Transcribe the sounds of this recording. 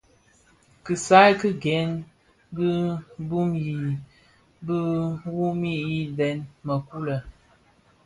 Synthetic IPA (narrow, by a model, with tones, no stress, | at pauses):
kɨ˨sa˦jkɨ˦ɡɛ˨˦n | bɨ˦bu˦mji˨ | bə˦wu˦mi˦i˦dɛ˨˦nmə˨ku˦lə˨